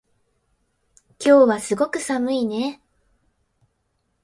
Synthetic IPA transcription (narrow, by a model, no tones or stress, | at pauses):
kʲo̞ːβasɨɡo̞kɯ̟samɯ̟ine̞